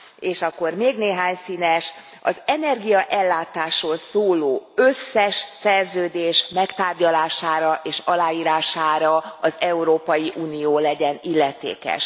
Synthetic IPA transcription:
eːʃɒkːo̞rmeːɡneːɦaːɲsiːnɛʃ | ɒ̰zɛnɛrɡijɒʔɛlːaːt̪aːʃoːlsoːloːøsːɛʃsɛrzøːd̪eːʃmɛkt̪aːrɟɒlaːʃaːɾɒʔeːʃɒlaːjiːɾaːʃaːɾɒɒzɛuɾoːpɒjiʔuːnioːlɛɟɛnilːɛt̪ḛːkɛ̰ʃ

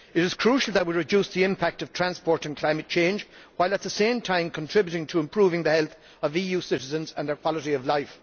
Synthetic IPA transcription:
ɪɾɪz̥kʰɹ̥uʃəl̩ˠðət̚wiɹɪd͡ʒusðiɪ̃mpʰæk̚tʌv̥tʰɹ̥æ̃nspɔːɹɾə̃nkʰl̥ãɪ̃mɨt̚t͡ʃʰẽɪ̃nd͡ʒwaɪlət̪̚ðəsẽɪ̃mtʰãɪ̃mkʰə̃ntʰɹ̥ɪbjuɾɪ̃ŋtʰəɪ̃mpʰɹ̥uːvɪ̃ŋðəhɛlˠθ | ʌvijʉːsɪɾɪzə̃nzə̃nðə˞kʰw̥ɑləɾiʌvlaɪf

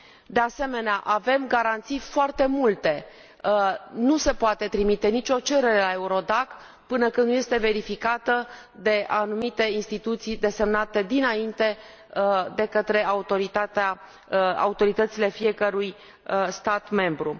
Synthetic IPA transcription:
d̪e̞ase̞me̞neaʔave̞mɡaɾant̪sijfoart̪e̞mult̪e̞ | nuse̞poat̪e̞t̪ɾimit̪e̞nit͡ʃʲo̞t͡ʃe̞ɾe̞ɾe̞lae̞uɾo̞d̪ak | pɨnəkɨnnuje̞st̪e̞ve̞ɾifikat̪ə | d̪e̞anumit̪e̞inst̪it̪ut̪sijd̪e̞se̞mnat̪e̞d̪inaint̪e̞ | d̪e̞kət̪ɾe̞aut̪o̞ɾit̪at̪a | a̰ut̪o̞ɾit̪ət̪sile̞fie̞kəɾuj | st̪at̪me̞mbɾu

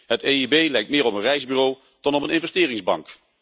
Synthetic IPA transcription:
ɦəteibejlɛjk̚tmɪːɹɔpənrɛjzbyːrow | d̥ɑnɔpənɪnvɛstɪːrɪŋzbɑ̰ŋk

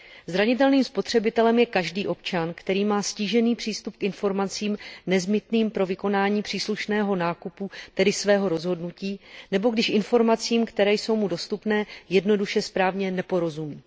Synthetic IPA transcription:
zɾaɲɪt̪ɛlniːmspo̞t̪r̝̥ɛbɪt̪ɛlɛmjɛkaʒdiːʔo̞p̚t͡ʃankt̪ɛɾiːmaːsciːʒɛniːpr̝̥iːst̪up̚kɪnfo̞ɾmat͡siːmnɛzbɪt̪niːmpɾo̞vɪko̞naːɲiːpr̥iːsluʃnɛːɦo̞naːkuput̪ɛdɪsvɛːɦo̞ɾo̞zɦo̞dnuciːnɛbo̞ɡdɪʃʔɪnfo̞ɾmat͡siːmkt̪ɛɾɛːjso̞wmudo̞st̪upnɛːjɛdno̞duʃɛspɾaːvɲɛnɛpo̞ɾo̞zumiː

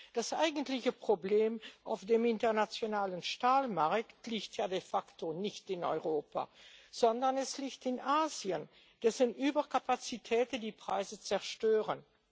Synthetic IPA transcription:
d̥asʔa̰ɪɡəntlɪçəpʁ̥obleːmʔa̰ʊfd̥eːmɪntəʁnat͡sjonaːlənʃtaːlmaʁktliːçtʰjaːdefaktʰonɪçtɪnɔ̰ʏʁoːpa̰z̥ɔndɐnɛsliːçtɪnʔaːziən | d̥ɛsənʔyːbɐkapat͡sitʰɛːtəndiːpʁ̥aɪzət͡sɛɐʃtøːʁən

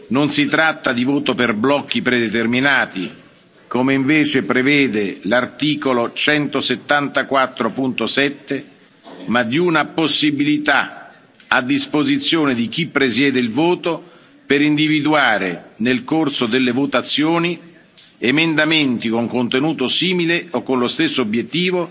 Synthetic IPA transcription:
nonsit̪ɾat̪ːad̪ivoːt̪operblɔkːipɾed̪et̪erminaːt̪i | komeiɱveːt͡ʃepɾevɛːd̪elart̪iːkolot͡ʃɛnt̪oset̪ːant̪akwat̪ːɾopunt̪osɛt̪ːe | mad̪iunaposːibilit̪a | ad̪ːispozit̪sːjoːned̪ik̟ipːɾesjɛːd̪eilvoːt̪o | peɾind̪ivid̪uaːɾenelkorsod̪elːevot̪at̪sːjoːni | emend̪ament̪ikoŋkont̪enuːt̪osiːmileokːonlost̪esːoobjet̪ːiːvo

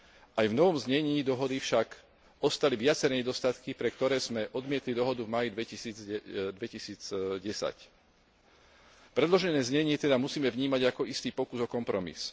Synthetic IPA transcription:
ʔajvnɔʋɔmzɲɛɲiːd̪ɔɦɔd̪ifʃak | ɔst̪aliʋɪat͡sɛɾɛɲɛd̪ɔst̪at̪kipɾɛkt̪ɔɾɛːzmɛʔɔd̪mɪɛt̪lid̪ɔɦɔd̪uvmaːjid̪ʋɛcisiːd͡zd̪ʋɛcisiːd͡zɟɛsa̰c | pɾɛd̪lɔʒɛnɛːzɲɛɲɪɛt̪ɛd̪amusiːmɛvɲiːmaɟakɔist̪iːpɔkuzɔkɔmpɾɔmḭs

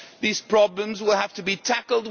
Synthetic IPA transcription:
ðiz̥pʰɹ̥ɑblə̃mzwɪlˠhæftɨbitʰækl̩ˠd̚

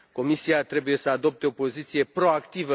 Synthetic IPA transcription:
ko̞misiat̪ɾe̞buje̞səad̪o̞p̚t̪eo̞po̞zit̪sije̞pɾo̞akt̪ivə

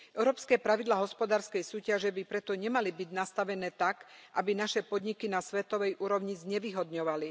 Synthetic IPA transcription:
ʔɛʊɾɔːpskɛːpɾaʋid̪laːɦɔspɔd̪aːɾskɛjsuːcaʒɛbipɾɛt̪ɔɲɛmalibiɟnast̪aʋɛnɛːt̪akʔabinaʃɛpɔd̪ɲikinasʋɛt̪ɔʋɛjʔuːɾɔʊɲizɲɛʋiɦɔd̪ɲɔʋali

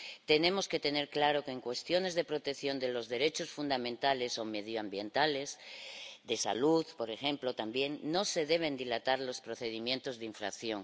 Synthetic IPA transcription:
t̪e̞nẽ̞mo̞ske̞t̪e̞ne̞ɾklaɾo̞ke̞ːŋkwe̞st̪jo̞ne̞zðe̞pɾot̪ekθjo̞nd̪e̞lo̞zðe̞ɾe̞t͡ʃo̞sfund̪amẽnt̪ale̞so̞me̞ð̞joambje̞nt̪ale̞sðe̞sa̰luðpo̞ɾe̞xe̞mplo̞t̪ambje̞ŋːo̞se̞ðe̞β̞e̞nd̪ilat̪aɾlo̞spɾo̞θe̞ð̞imjent̪o̞zðiɱfɾakθjo̞ŋ

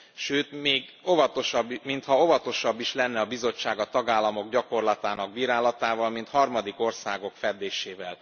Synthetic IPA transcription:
ʃøːt̪meːɡo̞vɒt̪o̞ʃɒbːmint̪hɒo̞vɒt̪o̞ʃɒbːiʃlɛnːɛɒbizo̞t͡ʃːaːɡɒt̪ɒɡaːlːɒmo̞ɡɟɒko̞rlɒt̪aːnɒɡ̚biːɾaːlɒt̪aːvɒlmint̪hɒrmɒd̪iko̞rsaːɡo̞kfɛd̪ːeːʃeːvɛl

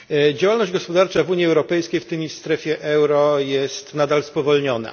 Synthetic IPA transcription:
d͡ʑawalnɔʑd͡ʑɡɔspɔd̪aɾt͡ʂavuɲjiɛwɾɔpɛjskʲejft̪ɘmʲist̪ɾɛfʲjɛʔɛwɾɔjɛst̪nad̪alspɔvɔlɲɔna̰

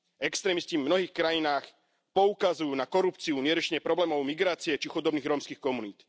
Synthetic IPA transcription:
ɛkst̪ɾɛːmiscivmnɔɦiːxkɾajinaːx | pɔukazujuːnakɔɾupt͡siuɲɪɛɾɔt͡ʃɛɲɛpɾɔblɛːmɔʊmiɡɾaːt͡siɛt͡ʃixud̪ɔbniːɣɾɔmskiːxkɔmuniːt̪

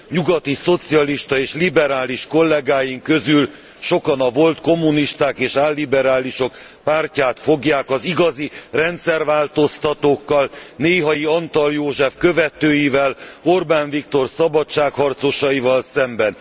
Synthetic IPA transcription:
ɲuɡɒt̪iso̞t̪sijɒliʃt̪ɒeːʃlibɛɾaːliʃko̞lːɛɡaːjiŋkø̞zyl | ʃo̞kɒnɒvo̞lt̪ko̞mːuniʃt̪aːkeːʃaːlːibɛɾaːliʃo̞k | paːrcaːt̪fo̞ɡjaːkɒziɡɒzirɛnt̪sɛrvaːlt̪o̞st̪ɒt̪oːkːɒlneːɦɒjiɒnt̪ɒljoːʒɛfkø̞vɛt̪øːjivɛlo̞rbaːnvikt̪o̞rsɒbɒt͡ʃaːkhɒrt̪so̞ʃɒivɒlsɛmbɛn

